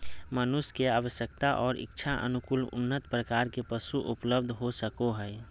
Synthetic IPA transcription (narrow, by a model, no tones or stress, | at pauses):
mənʊskeaːʋəʃjəkt̪aʔɔːɾɪ̰kːt͡ʃʰaʔə̰nʊkʊlʊ̰nːət̪pɾəkaːɾkepəsuʔʊpləb̚d̪ʱɦosəkoɦɛː